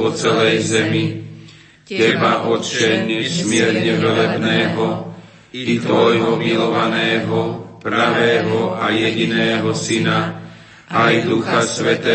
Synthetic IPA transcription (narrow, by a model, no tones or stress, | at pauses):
ɔt͡sɛlɛjzɛmi | tɛbaʔɔt͡ʃɛɲɛsmɪɛɾɲɛʋɛlɛbnɛːɦɔ | it̪ɔjɦɔmilɔʋanɛːɦɔpɾaʋɛːɦɔajɛɟinɛːɦɔsina | ajd̪uxasʋɛt̪ɛː